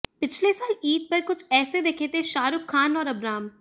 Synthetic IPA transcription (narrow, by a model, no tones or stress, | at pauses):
pɪt͡ʃʰlesaːliːk̚pɐɾkʊt͡ʃʰɛːsed̪eːkʰeːt̪ẽʃaːɾʊkʰːaːnɔːɾɐbɾaːm